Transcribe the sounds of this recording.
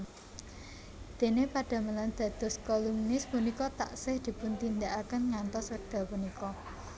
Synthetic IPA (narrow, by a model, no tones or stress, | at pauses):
d̪̥e̤nepaɖ̥a̤maland̪̥ä̤d̪̥ɔ̤skɔluŋnɪspunikɔt̪a̰ʔsɪhd̪̥i̤pʊnt̪ind̪aʔakənŋant̪ɔskəd̥a̤punikɔ